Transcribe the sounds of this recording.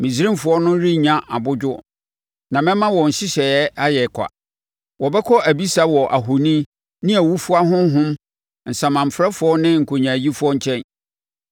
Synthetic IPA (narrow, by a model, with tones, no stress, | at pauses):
mĩ˨si˦ɾĩ˦mfʊ˨˦ɔ˦nʊ̃˦ɾi˦ɲã˦ʔa˨bʊ˦d͡ʑʊ˦ | nã˨mɛ̃˦mã˦wɔ̃˨n̩˨ɕɪ˦ɕɛ˨ɛ˦a˦jɛ˨kʷʰa̰˨ | wɔ˨bɛ˦kʰɔ˦ʔæ˨bi˦sa˦wɔ˨ʔa˨ɦʊ˨nĩ˦ | nɪ̃˦æ˨wu˦fu˦a˦ɦʊ̃˦ɦʊ̃˦m | n̩˨sã˨mã˨m̩˨fɾɛ˦fʊ˨˦ɔ˦nɪ̃˦ŋ̩˨kʰo˨ɲã˨ji˦fʊ˦ɔ˦ɲ̩˦t͡ɕʰɛ̃˦n